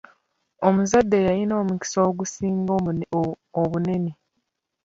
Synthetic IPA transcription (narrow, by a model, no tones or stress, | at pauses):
omuzadːe̞jajino̞ːmuki̥soːɡusiːŋɡo | oβune̞ne